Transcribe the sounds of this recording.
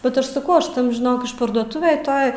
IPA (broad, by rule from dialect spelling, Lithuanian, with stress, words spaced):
bʲɛt ˈɐʃ sɐˈkɐʊ ˈɐʃ ˈtɐm ʒʲɪˈnoːk ɪʃpɐrduɔˈtʊʋʲeːj ˈtoːj